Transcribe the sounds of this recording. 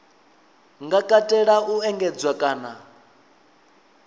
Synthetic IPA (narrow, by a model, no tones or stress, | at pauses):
ŋɡakʼatʼɛɺaʔuɛŋɡɛd͡zwakʼaːna